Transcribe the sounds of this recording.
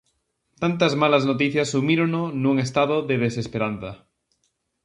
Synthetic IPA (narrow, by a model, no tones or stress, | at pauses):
t̪ant̪azmalaznot̪̬iθjasːumiɾononũŋest̪aðoðeðesespeɾan̟θa